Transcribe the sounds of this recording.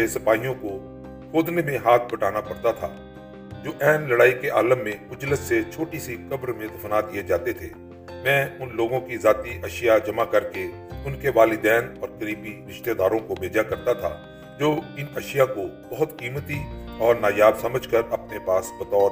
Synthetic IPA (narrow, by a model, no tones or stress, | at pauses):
esɐpaːijõko | xoːd̪nemẽɦaːt̪̚ʰbɐʈaːnapɐɽt̪at̪ʰa̰ː | d͡ʒoːʔɛːnlɐɽaːikeʔaːləmːẽmʊd͡ʒlɪsːet͡ʃʰoːʈisikɐbɾmẽd̪ɐfnad̪ijed͡ʒaːt̪et̪ʰeː | mɛ̃ːʊnloːɡõkizaːt̪iʔɐʃjad͡ʒɐmakɐɾke | ʊnkeʋaːlɪd̪ɛːnɔːɾkəɾiːbiɾɪʃt̪ed̪aːɾõkobeːd͡ʒakɐɾt̪at̪ʰa̰ | d͡ʒoːɪnɐʃjakobɐɦʊt̪kiːmət̪iɔːɾnaːjaːbsɐməd͡ʒʱkəɾɐpnepaːsbɐt̪ɔːɾ